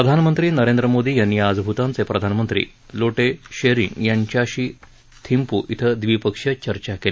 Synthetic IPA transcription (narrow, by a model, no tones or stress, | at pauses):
pɾəd̪ʱanmənt̪ɾiːnəɾend̪ɾəmod̪iːjanːiad͡zbʱut̪ãnt͡sepɾəd̪ʱanmənt̪ɾḭː | loʈeɕeɾḭŋɡjaɲt͡ɕjaɕiː | t̪ʰimpuːʔit̪ʰəd̪ʋipəkʂjət͡ɕəɾt͡ɕakele